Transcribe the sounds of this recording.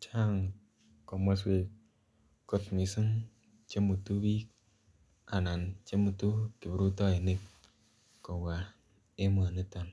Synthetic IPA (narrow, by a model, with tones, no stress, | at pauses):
t͡ʃa˦˨ŋ | ko˨ma˦s̬we˨ | ko˦tmi˨sɨ˦ŋ | t͡ʃe˦mu˨tu˦bi˦ | a˨na˨nt͡ʃe˦mu˨tu˦ki˨bɾu˦tɔ˦e˨ne˦k | ko˨ɡa˨ | e˦mo˨a˨ne˦ta˨n